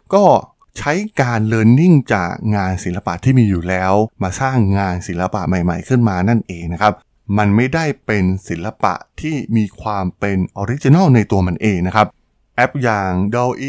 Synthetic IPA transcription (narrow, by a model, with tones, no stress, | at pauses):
kɔː˥˩ | t͡ɕʰa˦˥jkaː˧nlɤː˧nːi˥˩ŋt͡ɕa̰ː˨˩k̚ŋaː˧nsi˨˩˦nla˧pa̰˨˩ʔt̪ʰiː˥˩miː˧juː˨˩lɛː˦˥wmaː˧saː˥˩ŋːaː˧nsi˨˩˦nla˧pa˨ʔma˨˩jma˨˩jkʰɯ˥˩nmaː˧na˥˩nʔeː˧ŋna˦˥kʰa˦˥p̚ | ma˧nma˥˩jda˥˩jpe˧nsi˩˦lla˧pa̰˨˩ʔt̪ʰiː˥˩miː˧kʰwaː˧mpe˧nʔɔː˧ɾi˦˥t͡ɕi˧na˥˩wna˧jt̪u˧ɐma˧nʔeː˧ŋna˦˥kʰa˦˥p̚ | ʔɛ˦˥p̚jaː˨˩ŋdɔ˧wʔi˥˩